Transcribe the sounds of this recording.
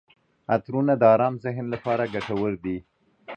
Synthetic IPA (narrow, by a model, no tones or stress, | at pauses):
at̪ɾunad̪əɑɾɑmzɪɦnlapɑɾaɡaʈawəɾd̪i